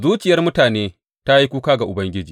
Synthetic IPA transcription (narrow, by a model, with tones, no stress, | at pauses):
zuː˦t͡ʃɪ˨jɐ˦rmʊ˦taː˨neː˦ | ta˦ji˦kʷuː˦kaː˦ɡa˨ʔʊ˨bɐ˦ŋɡʲɪ˦d͡ʒiː˨